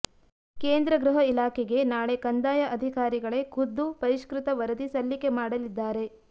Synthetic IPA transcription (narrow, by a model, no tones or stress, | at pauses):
keːnd̪ɾɐɡɾuɦɐilaːkʰɛɡe̞naːɭe̞kɐnd̪aːjɐʔɐd̪ʱikaːɾiɡɐɭe̞kʰud̪ːupɐɾiʃkɾut̪ɐʋɐɾɐd̪isɐlːike̞maːɽɐlid̪ːaːɾe̞